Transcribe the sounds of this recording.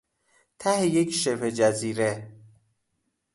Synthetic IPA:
t̪ʰæhejekʰʃepʰed͡ʒæziːɾe

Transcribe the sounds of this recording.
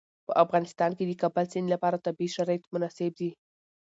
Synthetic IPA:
pəʔafɣɑnɪst̪ɑnked̪əkabalsinilapɑɾat̪abiʃaɾɑjat̪mʊnɑsɪb̚d̪i

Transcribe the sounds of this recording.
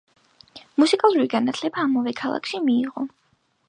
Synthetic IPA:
musikʼalˠuɾuviɡanat̪ʰlɛbaːmavɛkʰalˠa̰kʰʃimiːʁɔ

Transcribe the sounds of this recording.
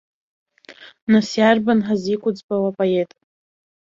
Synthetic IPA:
nasjarbanħazikʷʼʊd͡zbawapʼoetʼ

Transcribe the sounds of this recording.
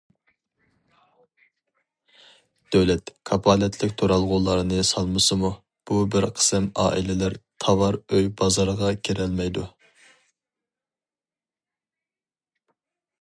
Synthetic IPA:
d̪̥øwlɛt̪kʰɑpʰɑːlɛt̪ʰlɪkʲt̪ʰoɾɑlˠʁʊlˠɑɾɨnɨsɑlˠmɨsɨmu | b̥ubɪɾqʰə̥sɨmɑ̰ːʔḭlɪlæɾt̪ʰɑvɑɾøjbɑzɑɾʁɑkʲʰeɾɛlmɛjd̪u

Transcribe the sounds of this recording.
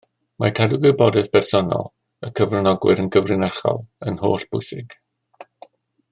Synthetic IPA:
mʔakʰadɪɡwɪbɔdɛðpɛrsɔnɔ̰lˠ | əkʰəvrɪnɔɡwɪ̰ɾənɡəvrɪnarχɔ̰lˠənhoːɬb̥ʊjsɪɡ̥

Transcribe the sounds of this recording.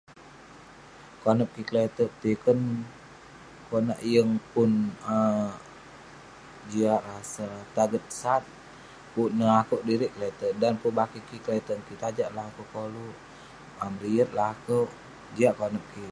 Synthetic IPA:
konəp̚kiklet̪əʔ̚t̪ikən | konaʔjəŋpʊnə | d͡ʒiaʔɾasat̪aɡət̪̚sat̪̚ | punəlakəʔdiɾiʔklet̪əʔdanpubakikiklɛt̪ənkit̪ad͡ʒaʔlakukoluʔ | amɾiət̪̚lakəʔ | d͡ʒiaʔkonəp̚ki

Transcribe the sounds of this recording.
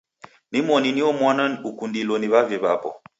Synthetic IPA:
mimɔniniomanənukundiloniβavjeba̰pɔ̰

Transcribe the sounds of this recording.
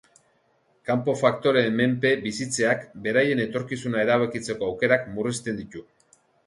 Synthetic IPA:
kampo̞fakt̪o̞ɾe̞me̞mpe̞bisit͡se̞akbe̞ɾaje̞ne̞t̪o̞ɾkisunae̞ɾaβakit͡se̞ko̞awke̞ɾakmurist̪e̞nd̪it̪u

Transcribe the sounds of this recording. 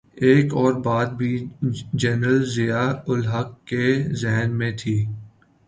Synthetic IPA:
eːkɔːɾbaːd̪̚bʱid͡ʒɛːnɾəlzɪjaʊlɦəkːezɛɦnmẽt̪ʰiː

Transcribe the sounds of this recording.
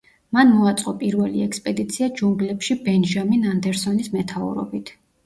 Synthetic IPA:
manmɔat̪sʼqʼɔpʼiɾvɛlḭɛkspʼɛd̪it̪sʰiad͡ʒumɡlɛpʃibɛnʒaminand̪ɛɾsɔnismɛt̪ʰaṵɾɔ̰bit̪ʰ

